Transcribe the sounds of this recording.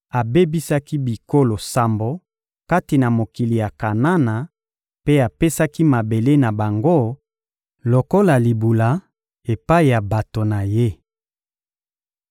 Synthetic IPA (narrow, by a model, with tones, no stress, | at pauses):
a˨be˦bi˦sa˦ki˦bi˨ko˦lo˨sa˨mbo˨ | ka˦ti˨na˨mo˨ki˨li˨ja˨ka˨na˦na˨ | pe˦a˨pe˦sa˦ki˦ma˨be˨le˦na˨ba˨ŋɡo˦ | lo˨ko˦la˨li˨bu˨la˨˦ | e˨pa˦i˨ja˨ba˨to˨na˨je˦